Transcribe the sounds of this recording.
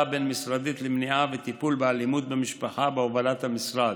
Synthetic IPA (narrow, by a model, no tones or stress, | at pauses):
abenmisʁad̪it̪lemniʔavet̪ipulbealimut̪̚bemiʃpaχabeovalat̪hamisʁad